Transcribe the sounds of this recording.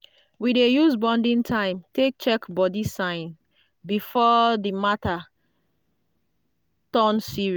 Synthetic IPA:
widejusbɔ̃ndĩntʰãɪ̃mtek̚t͡ʃɛkbɔdisãɪ̃n | bifɔdimata | tɔnsiɹi

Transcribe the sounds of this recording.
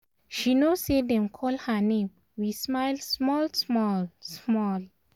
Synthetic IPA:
ʃinosedɛ̃mkʰɔlhanẽm | wismaɪlsmɔlsmɔlsmɔl

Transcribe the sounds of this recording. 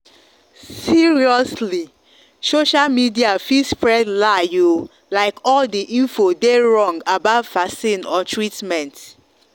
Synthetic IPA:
siɹiɔsli | soʃalmidiafispɹɛdlaju | laɪkɔldiʔĩnfodeɹɔ̃ŋɡabaʊvfasĩnɔtʰɹitmɛ̃nt

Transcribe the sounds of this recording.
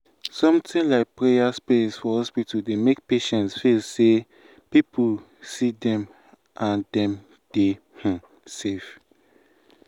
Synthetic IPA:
sɔ̃mtĩnlaɪk̚pɹejaspiitsfɔhɔspitudemek̚peʃɛ̃ntsfilse | pipu | sidɛ̃m | ʔãndɛ̃m | d̥e | h̩ | sef

